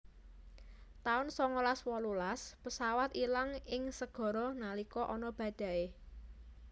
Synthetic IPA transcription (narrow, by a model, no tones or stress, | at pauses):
t̪aʊnsɔŋolaswɔlulaspəsawat̪ilaŋɪŋsəɡ̥ɔ̤ɾɔnalikɔʔɔnɔb̥ä̤d̪̥ä̤e